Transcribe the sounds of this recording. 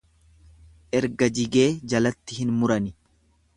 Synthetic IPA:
ʔɛɾɡɐd͡ʒɪɡe̞ːd͡ʒɐlɐt̪ːɪhɪnmʊɾɐnɪ

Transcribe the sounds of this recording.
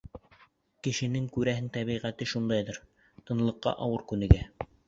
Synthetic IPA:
kɘ̆ʃɘ̆nɘŋkʉɾæɦɘŋt̪æβiʁæt̪ɘʃund̪ɑjðɤɾ | t̪ɤ̆nlˠɤ̆qːɑ̰ʔɑwɤɾkʉnɘ̆ɡæ

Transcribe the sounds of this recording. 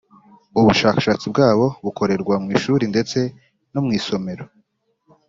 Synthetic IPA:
uβuʃaːkḁʃat͡sib̚ɡaːβo̞βukʰo̞ɾe̞ɾɡwamŋiːʃuɾinde̞t͡se̞ | nomŋiːso̞me̞ɾo

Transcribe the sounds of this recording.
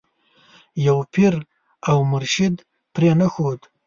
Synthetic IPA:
jawpʰiɾ | awmʊɾʃɪd̪ | pɾenaxod̪

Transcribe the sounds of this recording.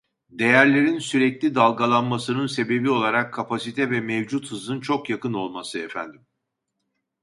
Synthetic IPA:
d̪e̞jæɾlʲe̞ɾinsyɾɛclʲid̪alˠɡalˠanmasɯnɯnse̞be̞bio̞lˠaɾakʰːapʰasit̪ʰɛvɛmɛvd͡ʒut̪hɯzɯnt͡ʃʰo̞kjakɯno̞lˠmasɯɛfæ̰nd̪im

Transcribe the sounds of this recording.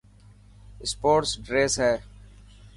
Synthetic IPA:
ɪspoːʈsɖɾeːsɦɛː

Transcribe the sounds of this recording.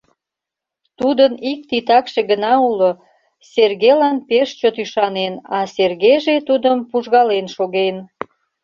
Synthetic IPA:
t̪ud̪ənik̚t̪it̪ɑkʃeɣənɑulo | serɣejlɑnpeʃt͡ɕot̪yʃɑnenɑserɣejʒet̪ud̪əmpuʒɣɑlenʃoɣen

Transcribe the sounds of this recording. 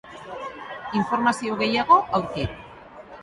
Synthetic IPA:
iɱfo̞ɾmasiowɣe̞jaɣ̞o̞ʔawɾki

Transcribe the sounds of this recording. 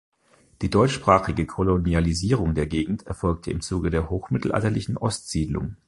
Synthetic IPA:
d̥iːdɔʏt͡ʃʃpʁ̥aːχɪɡəkʰolonializiːʁ̞ʊŋdeːɐɡeːɡŋ̩tɛɐfɔlk̚tʰəɪ̰mt͡suːɡədeːɐhoːxmɪtl̩ʔa̰ltɐlɪçn̩ʔɔstz̥iːdlʊ̰ŋ

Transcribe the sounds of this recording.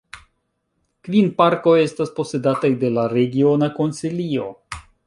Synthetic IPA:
kvinpaɾko̞je̞staspo̞se̞datajde̞laɾe̞ɡio̞nako̞nsilio̞̰

